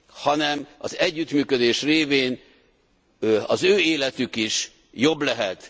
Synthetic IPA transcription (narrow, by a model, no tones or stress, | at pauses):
hɒnɛmɒzɛɟːyt̪myːkød̪eːʃreːveːn | ɒzøːeːlɛt̪ykiʃ | jo̞blɛɦɛt̪